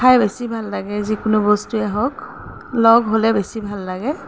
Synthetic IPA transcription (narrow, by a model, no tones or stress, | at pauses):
kʰajbesibʱalːaɡɛzikʊnʊbɔstuɛɦɔk | lɔɡɦolɛbesibʱalːaɡɛ